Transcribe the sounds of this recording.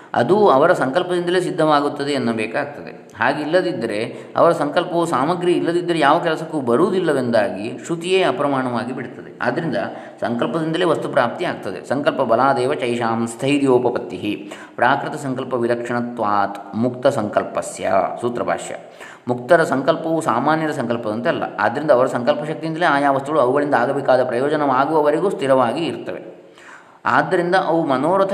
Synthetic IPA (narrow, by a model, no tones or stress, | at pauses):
ɐ̰d̪uɐʋɐɾɐsɐŋkɐlpɐd̪ind̪ɐle̞ːs̬id̪ʱːɐʋaːɡut̪ːɐd̪e̞ːnːɐbɛːkaːɡ̚t̪ɐd̪ḛ | ɦaːɡeilːɐd̪id̪ːɐɾe̞ | ɐ̰ʋɐɾɐsɐŋkɐlpɐʋusaːmɐɡɾiilːɐd̪id̪ːɐɾejaːʋɐkɛlɐsɐkːuːbɐɾuːd̪ilːɐʋend̪aːɡiʂut̪ijeːɐpɾɐmaːɳɐʋaːɡibiɽt̪ɐd̪ḛa̰ːd̪ɐɾind̪ɐ | sɐ̰ŋkɐlpɐd̪ind̪ɐle̞ːʋɐst̪upɾaːp̚t̪iaːɡ̚t̪ɐd̪e̞̰sɐŋkɐlpɐbɐlaːd̪ɛːʋɐt͡ʃɐjʃaːmst̪ʰɐjɾijoːpɐpɐt̪ːiɦi | pɾaːkɾit̪ɐsɐŋkɐlpɐʋiɾɐkʂɐɳɐt̪ʋaːt̪mukt̪ɐsɐŋkɐlpɐsjɐ̰suːt̪ɾɐbʱa̰ːʂjɐ̰ | muk̚t̪ɐɾɐsɐŋkɐlpɐʋusaːmaːnjɐd̪ɐs̬ɐŋkɐlpɐd̪ɐnt̪ɐɛlːɐ̰a̰ːd̪ɐɾind̪ɐːʋɐɾɐsɐŋkɐlpɐʃɐk̚t̪ijind̪ɐleːaːjaːʋɐst̪uɡɐɭuɐʋuɡɐɭind̪ɐaːɡɐbikaːd̪ɐpɾɐjoːd͡ʒɐnɐʋaːɡuʋɐʋɐɾeɡuːst̪ʰiɾɐʋaːɡiːɾt̪ɐʋḛ | a̰ːd̪ːɐɾind̪ɐʔɐʋumɐnoːɽɐt̪ʰ